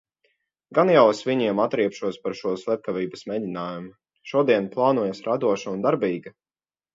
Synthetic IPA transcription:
ɡanjawsvʲiɲiɛmat̪ɾiɛpʃuɔspaɾʃuɔslʲˠɛp̪̚kaviːbəsmɛdinaːjumu | ʃuɔd̪iɛnplˠɑːnuɔjasɾad̪uɔʃaund̪aɾbiːɡa

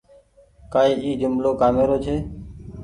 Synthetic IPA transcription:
kaːiːʔiːd͡ʒʊmloːkaːmeːɾoːt͡ʃʰeː

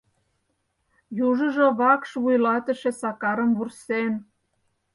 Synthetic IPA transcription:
juʒə̆ʒŏβɑkʃβujlɑt̪ə̆ʃĕsɑkɑɾə̆mβursen

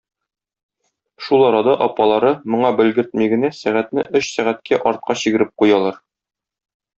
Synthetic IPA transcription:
ʃulˠɒɾɑd̪ɑʔɒpɑlˠɑɾɤmŏɴɑbɘ̆lɡɘ̆ɾt̪̚miɡɘ̆næsæʁæt̪nɘʔɵɕsæʁæt̪kʰæʔɒɾt̪̚qɑɕiɡɘ̆ɾɘp̚qujɑlˠɑɾ

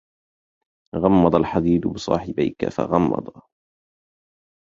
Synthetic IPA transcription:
ɣɑmːɑd̪ˤɑlħad̪iːd̪bɨsˤɑ̰ːħɪbajka̰fa̰ɣɑmːɑ̰d̪ˤɑ

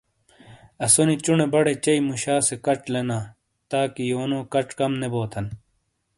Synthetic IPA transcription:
ɐsonit͡ɕuɳebɐɽet͡ɕɐimuɕaːsekɐʈ͡ʂlenaː | t̪aːkijoːnõːkɐʈ͡ʂkɐmneboːt̪ʰɐn

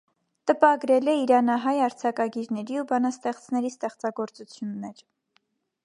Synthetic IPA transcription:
t̪əpɑɡɾɛlɛiɾɑnɑɦɑjɑɾt͡sʰɑkɑɡiɾnɛɾiubɑnɑst̪ɛχt͡sʰnɛɾist̪ɛχt͡sɑɡɔɾt͡sut͡sʰjunːɛɾ

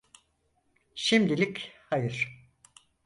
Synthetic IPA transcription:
ʃimd̪ilʲikʲhajɯɾ̥

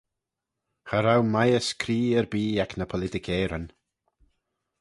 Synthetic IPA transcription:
xaɾawmajəskʰɾiːəɾbiːaknəpʰɔlɪtɪkʰɛːɾən

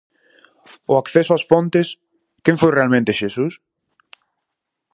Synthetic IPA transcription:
ʊakθesʊasfõnt̪es | kẽɱfojrealmẽnt̪eʃesus

